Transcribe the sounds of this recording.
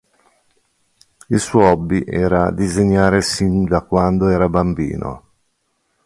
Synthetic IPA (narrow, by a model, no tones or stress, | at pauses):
ilsuɔjɔbːiʔɛːɾad̪izeɲːaːɾesind̪akwand̪oɛːɾabambḭːnʔo̰